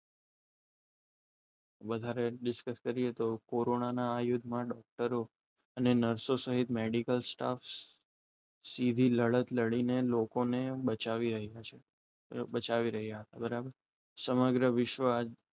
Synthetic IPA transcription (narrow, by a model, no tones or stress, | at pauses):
ʋəd̪ʱaɾeɖɪskəskəɾiet̪okoɾonanaːjʊd̪ʱmãɖɔk̚ʈəɾo | ənenəɾsosəɦit̪meɽikəlsʈa̰f | sid̪ʱiləɭət̪ləɭinelokonebət͡ʃaʋiɾəɦjat͡ʃʰe | bət͡ʃaʋiɾəɦjaɦət̪abəɾabəɾ | səməɡɾəʋɪʃʋəad͡ʒ